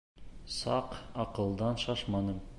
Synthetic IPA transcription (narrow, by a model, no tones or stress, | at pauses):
sɑ̰qɒqɤ̆lˠd̪ɑnʃɑʃmɑnɤm